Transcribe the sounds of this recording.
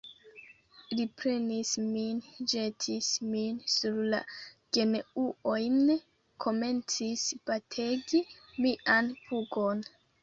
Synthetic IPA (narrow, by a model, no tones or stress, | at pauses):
lipɾe̞nismind͡ʒetʰisminsuɾla̰ɡ̥e̞neuojn | kʰo̞me̞nt͡sisb̥atʰe̞ɡi | miʔanpuɡo̞n